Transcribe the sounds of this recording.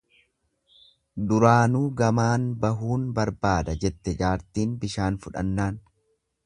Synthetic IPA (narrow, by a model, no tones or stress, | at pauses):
d̪ʊɾaːnuːɡɐmaːnbɐɦuːnbɐɾbaːd̪ɐd͡ʒɛt̪ːɛd͡ʒaːɾt̪iːnbɪʃaːnfʊᶑɐ̰nːaːn